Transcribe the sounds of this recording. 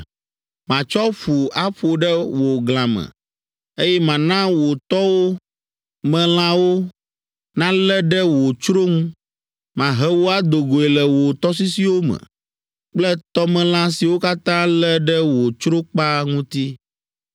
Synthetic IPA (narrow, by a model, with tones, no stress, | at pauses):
mã˨t͡ʃɔ˦ɸu˨a˦ɸo˨ɖɛ˦wo˨ɡl̃ã˨mɛ̰̃˨ | e˦jɛ˦mã˨nã˦wo˨t̪ɔ˦wo˦ | mɛ̃˦l̃ã˦wo˦ | nã˦lɛ˦ɖɛ˦wo˨t͡ʃɾo˦ŋũ˦ | mã˨ɦɛ˦wo˦a˦d̪o˨ɡo˨ɛ˨lɛ˨wo˨t̪ɔ˦s̬i˦si˦wo˦mɛ̰̃˨ | k͡plɛ˦t̪ɔ˦mɛ̃˦l̃ã˦si˨wo˦ka˦t̪ã˦lɛ˦ɖɛ˦wo˨t͡ʃɾo˦k͡pa˦ŋũ˦t̪i˦